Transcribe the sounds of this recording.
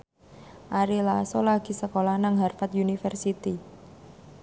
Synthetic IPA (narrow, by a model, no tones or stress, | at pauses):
ʔaɾilasɔlaɡ̥i̤səkolahnaŋɦarfat̪junifərsit̪i